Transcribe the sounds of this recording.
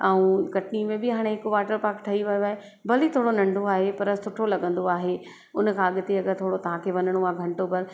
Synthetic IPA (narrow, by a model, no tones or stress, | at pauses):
aːũkɐʈnimẽbɪɦaːɽ̃eɦɪkʋaːʈəɾpaːkʈʰɐiʋɐjoaːɦe | bɐlit̪ʰoːɽonɐ̃ɳɖʱoaːɦepɐɾəsʊʈʰolɐɠə̃nd̪oaːɦe | ʊnkʰãːɐɠɪt̪eɐɠəɾt̪ʰoːɽot̪ɐʋ̤ãkʰeːʋɐnəɽ̃oaːɡʱɐ̃ɳʈopɐɾ